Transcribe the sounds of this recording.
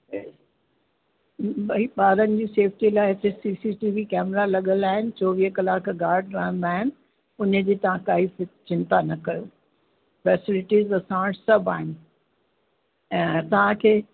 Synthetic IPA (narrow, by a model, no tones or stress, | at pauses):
ɓɐɦiɓaːɾənɪ̆d͡ʑiːseːfʈilaːɪt̪esiːsiʈiːʋikɛːmɾalɐɠəlaːɦɪnɪ̆t͡ɕoːʋiːɦəkɐlaːkɡaːɾɖɾãːnaːɦɪnɪ̆ | ʊnd͡ʑiːt̪ɐʋ̤ãkaːifɪt͡ɕɪ̃nt̪anɐkɐjoː | fɛːsɪlɪʈiːzɐsãːʈsɐbʱa̰ːɦɪnɪ̆ | ɛ̃ːt̪ɐʋ̤ãkʰeː